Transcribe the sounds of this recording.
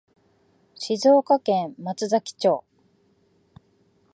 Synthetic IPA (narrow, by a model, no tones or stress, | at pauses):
ɕizo̞ːkakẽmmat͡sɨzakʲi̥t͡ɕo̞ː